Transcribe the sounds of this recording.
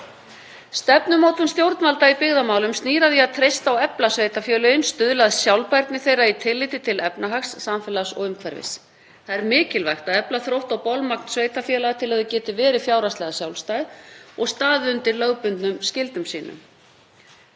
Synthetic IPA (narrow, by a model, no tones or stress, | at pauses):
st̪ɛp̚nʏmoːwt̪ʏnst̪jowɾt̪nvalt̪aipɪɣðamaːwlʏmst̪niːɾaviaðt̪ʰɾejst̪awɛplasveːjt̪afjɛːlʏɪnst̪ʏðlaðsjawlpajɾt̪nɪθejɾait̪ʰɪlːɪːt̪ɪt̪ʰɪlɛpnaɦaksːamfɛːlasɔɣʏmkʰvɛɾvɪ̰s | θaðɛɾmɪːcɪlvaxt̪aðɛplaθɾowht̪awpɔlmak̚nsvejt̪afjɛːlaɣt̪ʰɪlaðʏcɛːt̪ɪvɛːɾɪfjawɾast̪ɛɣasjawlst̪aːjðɔɣst̪aːðɪʏnt̪ɪɾlœɣpʏnt̪nʏmscɪlt̪ʏmsḭːnʏ̰m